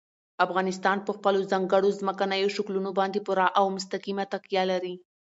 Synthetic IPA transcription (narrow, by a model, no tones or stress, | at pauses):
afɣɑnɪs̬t̪ɑnpəxpəlozaŋɡəɽozməkanəjoʃaklunobɑnd̪epʊɾɑʔawmʊs̬t̪akimat̪akjalaɾi